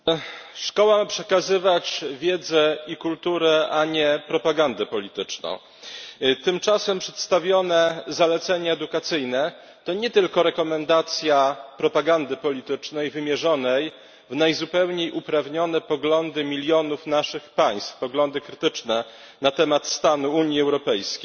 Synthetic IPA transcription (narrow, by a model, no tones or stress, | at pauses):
ʂkɔwampʂɛkazɘvat͡ɕvʲjɛd̪zɛikult̪uɾɛʔaɲɛpɾɔpaɡand̪ɛpɔlʲit̪ɘt͡ʂnɔ̰̃w̃ | t̪ɘmt͡ʂasɛmpʂɛt̪st̪avʲjɔnɛzalɛt̪sɛɲɛːd̪ukat̪sɘjnɛ | t̪ɔɲɛt̪ɘlkɔɾɛkɔmɛnd̪at̪sʲjapɾɔpaɡand̪ɘpɔlʲit̪ɘt͡ʂnɛjvɘmʲjɛʐɔnɛj | vnajzupɛwɲejʔupɾavɲɔnɛpɔɡlɔnd̪ɘmʲilʲjɔnufnaʂɘxpaj̃st̪fpɔɡlɔnd̪ɘkɾɘt̪ɘt͡ʂnɛ | nat̪ɛmat̪st̪anuuɲjiɛwɾɔpɛjskʲej